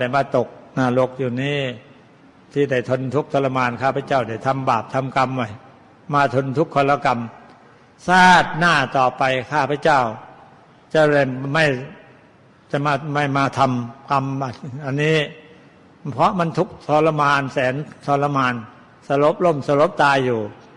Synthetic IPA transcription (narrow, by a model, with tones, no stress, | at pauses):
da˧˩jmaː˧˩t̪o˨˩k̚naː˧˩lo˧˦˥k̚juː˨˩niː˦˥˩ | t̪ʰiː˧˩da˧˩jt̪ʰo˧nt̪ʰu˦˥k̚t̪ʰɔː˧la˧maː˧nkʰaː˥˩pʰa˧˩t͡ɕa˥˩wda˧˩jt̪ʰa˧mbaː˨˩p̚t̪ʰa˧mka˧mwa˧˩j | maː˧t̪ʰo˧nt̪ʰu˦˥kʰːɔː˧la˧ka˧m | saː˥˩t̪̚naː˧˥˩t̪ɔː˨˩pa˧jkʰaː˥˩pʰa˧˥˩t͡ɕa˥˩w | t͡ɕa˧˩da˧˩jma˥˩j | t͡ɕa˨˩maː˧ma˥˩jmaː˧t̪ʰa˧mka˧ma˧˩ʔa˧nːiː˦˥ | pʰɔ˦˥ma˧˥nt̪ʰu˦˥k̚t̪ʰɔː˧nla˧maː˧nsɛː˨˦nt̪ʰɔː˧nla˧maː˧n | sa˧lo˦˥p̚lo˥˩˨msa˧lo˦˥p̚t̪aː˧jːuː˨˩